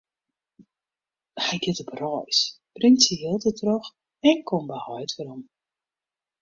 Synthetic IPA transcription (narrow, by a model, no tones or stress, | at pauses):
hɛjɡɛtəprɔjsprɪŋsəɦɪlˠtətʰrɔx | ɛnkʰɔmbəhɔjtfəɾɔm